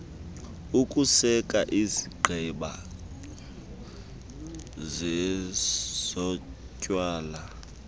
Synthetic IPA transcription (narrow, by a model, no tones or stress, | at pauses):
ukʼusɛkʼaʔiziɡ͡ǃʱɛɓa | zɛ | z̥ɔ | cʼwaːla